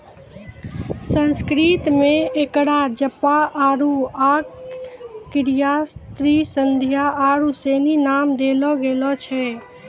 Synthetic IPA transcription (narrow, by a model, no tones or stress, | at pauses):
sə̃nskɾit̪mẽekɽad͡ʒəpaʔaːɾuaːk | kɪɾijast̪ɾisənd̪ʱijaʔaːɾuseːninaːmd̪elɔɡeːlɔt͡ʃʰɛ